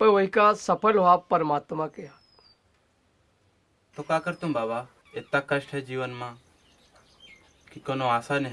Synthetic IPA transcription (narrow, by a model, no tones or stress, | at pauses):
pə̃oɦikasəpʰəlɦoapəɾmaːt̪mãkeɦa | t̪okakəɾt̪ũːbaːba | et̪ːakəʃʈʰed͡ʒiːʋənmãː | kikonoaːsan